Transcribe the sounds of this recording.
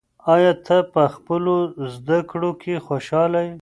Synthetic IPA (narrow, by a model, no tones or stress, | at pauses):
ɑjɑt̪ʰapəxpəlozd̪akɽokʰexoʃɑlaj